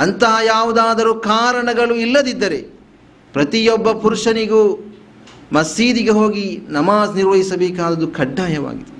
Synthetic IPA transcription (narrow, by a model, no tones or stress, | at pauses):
ɐnt̪ɐɦɐjaːʋud̪aːd̪ɐɾukaːɾɐɳɐɡɐɭuilːɐd̪id̪ːɐɾe | pɾɐt̪ijɔbːɐpuɾuʂɐniɡuː | mɐsiːd̪iɡeɦoːɡinɐmaːsniɾʋɐɦisɐbeːkaːd̪ɐd̪ukʰɐɖːaːjɐʋa̰ːɡid̪e